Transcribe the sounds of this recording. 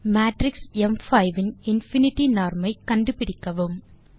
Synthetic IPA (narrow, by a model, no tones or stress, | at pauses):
maːʈɾɪksɛmfɐɪʋɪnɪnfɪnɪʈːinaːɾmɐɪkɐɳɖɯpɪɽɪkːɐʋɯm